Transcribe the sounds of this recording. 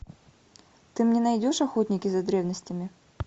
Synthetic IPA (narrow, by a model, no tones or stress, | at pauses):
t̪ɨmnʲɪnɐjdʲoʂɐxot̪ʲnʲɪkʲɪzɐd̪ɾʲevnəsʲtʲɪmʲɪ